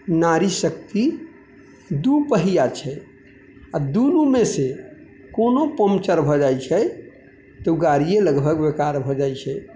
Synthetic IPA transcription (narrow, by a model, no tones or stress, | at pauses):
naɾisək̚t̪i | d̪upəɦijat͡ʃʰɛ | ad̪unumese | konopəmt͡ʃəɾbʱɔd͡ʒajt͡ʃʰɛ | t̪ɔɡaɾijeləɡbʱəɡbekaɾbʱɔd͡ʒajt͡ʃʰɛ